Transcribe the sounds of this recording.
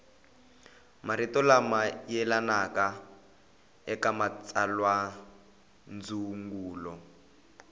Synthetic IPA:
maɾitɔlamajɛlanaka | ɛkamat͡salwa | nd͡zuŋɡuːlɔ

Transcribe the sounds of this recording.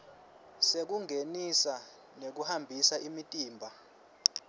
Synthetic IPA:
sek̬uŋʱenisa | nek̬uhambʱisaimitʼiːmbʱa

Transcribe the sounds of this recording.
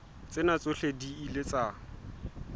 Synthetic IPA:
t͡sʼɪnat͡sʼʊɬediilet͡sʼa

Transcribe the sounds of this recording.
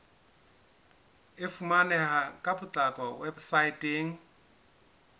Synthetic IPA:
ɪfumanɛhakʼabʊt͡ɬʼakʼɔwebsaitʼeːŋ̩

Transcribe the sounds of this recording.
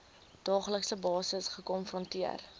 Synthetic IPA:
d̥ɑːχləksəbɑːsəsχəkɔnfrɔntiər

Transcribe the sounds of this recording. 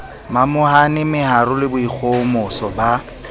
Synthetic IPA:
mamʊhanɪmɪhaɾʊlɪbʊik͡xʰomʊsɔba

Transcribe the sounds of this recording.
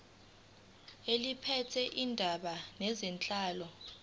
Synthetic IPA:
elipʰɛtʰɛʔindʱaɓanɛzɛnt͡ɬʼaːlɔ

